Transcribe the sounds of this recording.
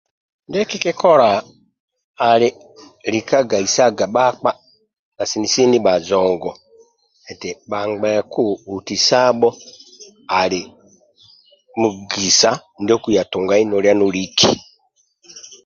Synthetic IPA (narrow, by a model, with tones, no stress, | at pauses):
ndɛ˦ki˦ki˦kɔ˦ɾa˨ | li˦ | li˨ka˦ɡa˨i˨sa˦ɡa˨ɓa˦k͡pa˦ | na˨si˨ni˨si˦ni˦ɓa˨zɔ˨ŋɡɔ˨ | ɛ˨tɛ˨ɓa˨ŋɡ͡bɛ˨ku˦u˨ti˨sa˦ɓɔ˦ | a˨li˨ | mu˨ɡi˨sa˦ndɔ˦ku˨ja˨tu˨ŋɡa˨˦i˦nɔ˨ɾa˦nu˦ɾi˦kʰḭ˨